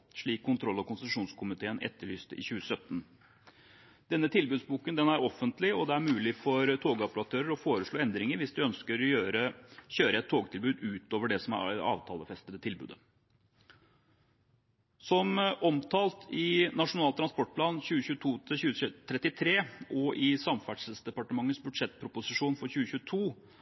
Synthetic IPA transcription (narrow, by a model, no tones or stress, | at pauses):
ʂɭiːkʰːʊnt̪ʰɾɔlːɔkʊnsət̪ʂuːnskʰʊmɪt̪ʰeːənʔɛ̰t̪ːəɭyːst̪əʔɪ̰çʉːəsœt̪ːn | d̪̥ɛnːət̪ʰɪlbʉːd̪sbuːkənd̪ɛnæɾɔfːənt̪lɪɔd̪ɛæɾmʉːlɪfɔɾt̪ʰoːɡɑpəlɑt̪ʰøːɾəɾɔfoːɾəʂɭoːɛnd̪ɾɪŋəɾʋɪsd̪ʉœnskəɾɔøɾəɕøːɾəɛt̪ʰːoːɡt̪ʰɪlbʉːd̪ʉːt̪oːʋəɖɛsɔmæ̰ɑ̰ːʋt̪ʰɑːləfɛst̪əd̪ət̪ʰɪlbʉ̰ːd̪ə | sɔmʔɔmt̪ʰɑːlt̪ʰɪnɑʂʊnɑːt̪ʰːɾɑnspɔʈ̚pʰlɑːnçʉːəçʉːət̪ʰuːt̪ʰɪçʉːt̪ʰɾɛt̪ːɪt̪ʰɾeːʔɔʔɪsɑmfæɖʂəsd̪ɛpɑʈəmɑŋːət̪sbʉd̪ʂɛt̪̚ːpʰɾʊpʊsɪʂuːnfɔɾçʉːəçʉːət̪ʰuː